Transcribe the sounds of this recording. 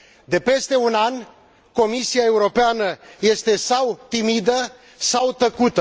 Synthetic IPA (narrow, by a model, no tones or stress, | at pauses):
d̪e̞pe̞st̪e̞unanʲ | ko̞misiae̞uɾo̞peanəje̞st̪e̞sawt̪imid̪ə | sawt̪əkut̪ə